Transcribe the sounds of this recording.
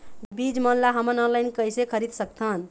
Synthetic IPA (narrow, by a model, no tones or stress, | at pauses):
bid͡ʒmənlaɦəmənɔ̃nlajnkəjsekʰəɾid̪sək̚t̪ʰən